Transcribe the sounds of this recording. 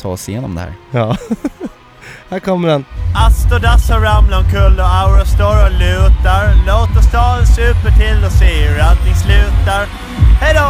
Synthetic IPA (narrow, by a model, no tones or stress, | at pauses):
t̪ʰɑ̰ːɔsɪjeːnɔmd̪ɛ̰hæ̰ːɾɑː | hæɾkʰɔmːəɖɛnast̪ɔd̪asɔɾamblankʰɵlːɔaʊɾəst̪oɾɔlʉ̟ːt̪aɾloːt̪ɔst̪ɑːlsʉ̟ːpəʈʰɪlːɔseːɾat̪nɪslʉ̟ːt̪aɾ | hɛjd̪ɔ